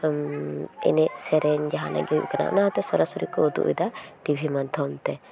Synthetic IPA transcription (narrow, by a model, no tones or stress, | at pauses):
ɛ̰nɛsɛɾɛɲd͡ʒaɦãna̰ɡiʔkana̰ʔnat̪ɔsɔɾasɔɾikɔud̪ṵʔḭd̪aʈibʱimant̪ʰɔmt̪ɛ